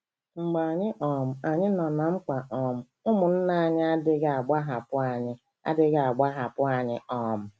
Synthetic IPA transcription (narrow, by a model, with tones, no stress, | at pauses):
ŋ͡m̩˨ɡ͡ba˨ɲɪ˦ʔɔ˨m̩˨a˨ɲɪ˦nɔ˨na˨ŋ͡m̩˦k͡pa˨ʔɔ˨m̩˨ | ʊ˦mʊ˨n̩˦na˦a˦˨ɲɪ˦a˦dɪ˦ɡa˨a˨ɡ͡ba˦ɦa˨pʊ˦a˨ɲɪ˦ | a̰˦dɪ˦ɡa˨a˨ɡ͡ba˦ɦa˨pʊ˦a˨ɲɪ˦ɔ˨m̩˨